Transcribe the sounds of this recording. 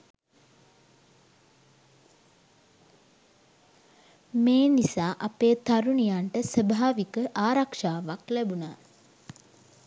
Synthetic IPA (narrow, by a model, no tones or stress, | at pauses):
meːnisaːʔapeːt̪aɾunijaɳʈəsəbʱaaːʋikəʔaːɾakʂaːʋaklæbunaː